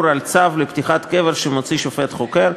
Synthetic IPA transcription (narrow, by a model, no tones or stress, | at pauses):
ɾalt͡savlept̪iχat̪ke̞veɾʃemot͡siʃofet̪χokeɾ